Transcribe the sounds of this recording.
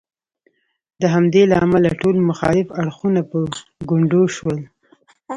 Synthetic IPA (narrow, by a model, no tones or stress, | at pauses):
d̪əɦamd̪elaamalaʈolmʊxɑ̰lɪfaɽxunapəɡʊɳɖoʃwəl